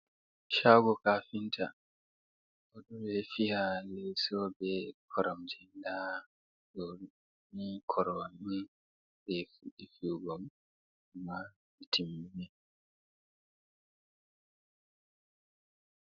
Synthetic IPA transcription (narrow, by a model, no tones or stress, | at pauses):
ʃaɡɔkafinta | ʔɔɗɔbɛfihalɛsɔbɛkʰɔɾɔmtʰɛnda | ɗɔ | mikʰɔɾɔamːi | bɛfuɗifiɡɔm | amːa | mitʰimːinɛ